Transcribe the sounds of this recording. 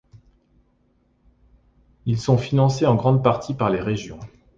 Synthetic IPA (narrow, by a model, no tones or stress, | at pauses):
ilsɔ̃finɑ̃seɑ̃ɡʁɑ̃d̪̚paʁt̪ʰipaʁleʁeʒjɔ̃